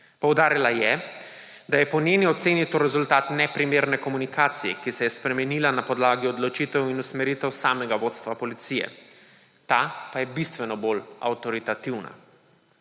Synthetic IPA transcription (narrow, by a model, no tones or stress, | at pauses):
pɔwd̪aːɾilajɛ | d̪ajɛpɔnjeːniɔt̪seːnit̪oɾɛzult̪aːt̪nɛpɾimeːɾnɛkɔmunikaːt̪sijɛ̰kisɛjɛspɾɛmɛniːlanapɔd̪laːɡiɔd̪lɔt͡ʃiːt̪ɛwinusmɛɾiːt̪ɛwsaːmɛɡaʋoːt̪st̪ʋapɔlit̪sijɛ̰ | t̪apajɛbist̪ʋɛnɔbola̰wt̪ɔɾit̪at̪iwna̰